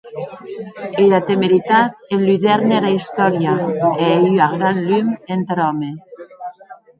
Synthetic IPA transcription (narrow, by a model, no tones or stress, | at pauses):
ejðat̪emeɾit̪at̪̚elyðɛɾneɾaist̪ɔɾjaeejyaɣɾanlyment̪ɾɔme